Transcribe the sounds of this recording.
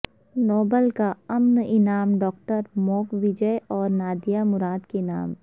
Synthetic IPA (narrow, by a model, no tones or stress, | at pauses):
nɔːbəlkaɐmnɪnaːmɖɔːk̚ʈəɾmɔːkʋɪd͡ʒəʔɔːɾnaːd̪jamʊɾaːd̪kena̰ːm